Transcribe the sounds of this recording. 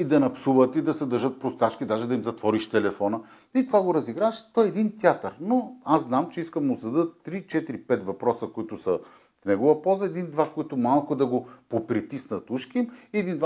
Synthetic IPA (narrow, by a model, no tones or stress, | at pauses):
id̪ɐnɐpsuvət̪id̪ɐsɛd̪ɐɾʒɤt̪̚pɾʊst̪at͡ʃkʲid̪aʒɛd̪ɐimzɐt̪vɔɾiʃt̪ɛlɛfɔnə | it̪ovaɡoɾɐziɡɾaʃt̪ɔɛɛd̪int̪ʲjat̪əɾnoazznamt͡ʃɛiskəmʊzɐd̪ɤt̪ːɾit͡ʃɛt̪iɾipɛt̪vɐpɾɔsəkoit̪ʊsə | fnɛɡovəpɔlˠzəɛd̪ind̪vakoit̪ʊmalˠkʊd̪ɐɡopopɾit̪isnɐt̪uʃkimiɛd̪ind̪va